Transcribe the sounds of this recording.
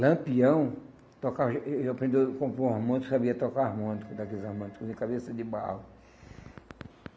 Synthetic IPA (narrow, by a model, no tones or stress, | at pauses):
lɐ̃piɐ̃w̃ | t̪ɔkavapɾẽnd̪ewkõmpõahmõnɪksabiɐt̪ɔkaahmõnɪkʊd̪akelɪzahmõnikʊzẽkabesɐd̪ɪba̰lʊ